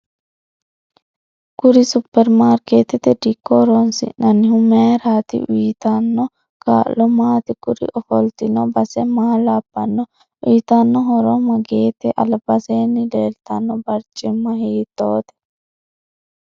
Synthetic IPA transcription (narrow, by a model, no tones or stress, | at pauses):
ɡ̥ʊɾɪsʊpːɛɾmaːɾkeːt̪ɛt̪ɛd̪ɪkːɔɾɔnsɪ̰nɐnːɪhʊmeɾaːt̪ɪ̰ʔwiːt̪ɐnːɔ | ka̰ːlɔmaːt̪ɪɡʊɾɪ̰ʔɔfɔlt̪ɪnɔbɐsɛmaːlaːbːɐnːɔ | iːt̪ɐnːɔɦɔɾɔmɐɡeːt̪ɛʔɐ̰lbɐseːnːɪleːlt̪ɐnːɔbɐɾt͡ʃʼːɪmːɐhiːt̪ːoːt̪ɛ̥